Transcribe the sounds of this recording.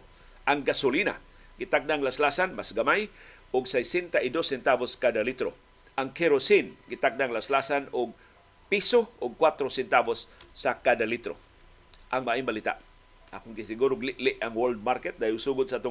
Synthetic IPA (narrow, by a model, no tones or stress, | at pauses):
ʔaŋɡasʊlina̰ | ɡɪt̪ak̚daŋlaslasanmasɡamaj | ʊɡsajsɛnt̪aʔɪd̪osɛnt̪aboskadalit̪ɾo | ʔaŋkʰeɾosinɡɪt̪ak̚daŋlaslasanʊɡ̚ | pisoʔʊɡ̚kwat̪ɾosɛnt̪abosːakad̪alit̪ɾo̰ | ʔaŋmaʔɪmbalit̪a̰ʔ | ʔakʊnɡɪsɪɡuɾʊɡlɪʔlɪʔaŋwold̪̚maɾkɛt̪̚daːhɪlsuːɡʊd̪saʔaːt̪ʊ